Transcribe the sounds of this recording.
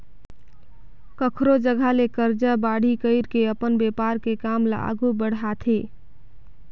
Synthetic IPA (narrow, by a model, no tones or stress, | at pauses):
kəkʰɾod͡ʒəɡʱalekəɾd͡ʒəbaɽ̤ikəɪɾkeəpənbepaɾkekamlə̰ʔa̰ɡubəɽɦat̪ʰe